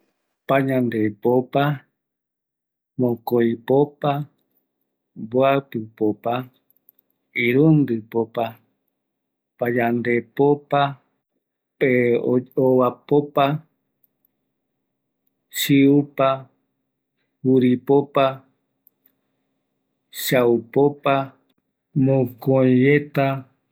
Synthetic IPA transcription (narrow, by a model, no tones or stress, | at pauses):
paɲãnd̪epopa | mõkojpopa | boapɨpopa | iɾũnd̪ɨpopa | paɲãnd̪epopa | peowapopa | ʃiupa | huɾipopa | ʃaupopa | mõkõjet̪a